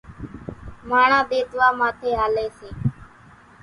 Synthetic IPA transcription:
maːɳãːd̪eːt̪ʋaːmaːt̪ʰeːɦaːleːseː

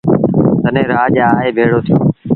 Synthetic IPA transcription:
t̪ənẽːɾaːʄaːɦeːbʱeːɽoːt̪ʰjoː

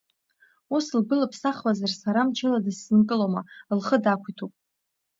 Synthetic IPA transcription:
uslɡʷɨlapʰsaχwazarsaɾamt͡ʃʰɪladɨsːɨnkʼɨlomalχədakʷʰitʰupʼ

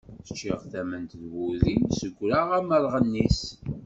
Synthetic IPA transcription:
θə̥t͡ʃːiʁθæmənt̪ðwuðisəɡʷːɾaʁæməɾˤʁənːis

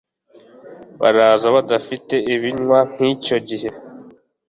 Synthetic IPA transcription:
βa̰ɾaːzaβadafite̞iβiɲwan̥hico̞ɟihe̞

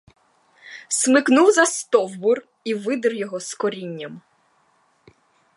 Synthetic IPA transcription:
smɪknuwzɐst̪ɔwbʊr | iʋɪd̪ɪrjɔɦɔskɔɾʲinʲːɐm

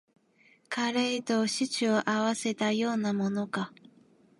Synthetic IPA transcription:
kʰaɾeit̪o̞ɕit͡ɕɨoʔaβase̞t̪ajo̞ːnamo̞no̞ka

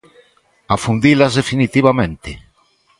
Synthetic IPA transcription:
afund̪ilazðefinit̪iβamẽnt̪ɪ

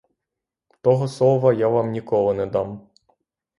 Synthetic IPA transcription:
t̪ɔɦɔsˠɔʋɐjaʋɑmnʲikɔlˠɔnɛd̪ɑm

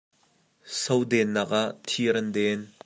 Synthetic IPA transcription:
sowdɛnːɐk̚ʔaʔt̪ʰiɾɐndɛn

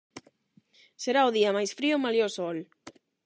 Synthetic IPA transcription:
seɾaoðiamajsfɾiʊmaleosɔl

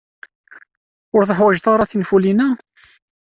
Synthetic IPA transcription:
ʊɾθəħwæʒt̪ɑɾˤɑθinfulinæ

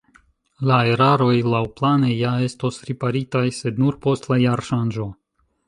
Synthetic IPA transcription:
lae̞ɾaɾo̞jlawplane̞jae̞sto̞sɾipaɾitajse̞d̪nuɾpo̞stlajaɾʃand͡ʒo̞

